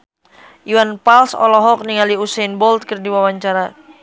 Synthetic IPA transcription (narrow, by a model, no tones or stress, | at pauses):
ʔiwanpalsɔ̰lɔɦɔk̚niŋaliusɛnbɔlt̪̚kərdiwawaɲt͡ʃaɾa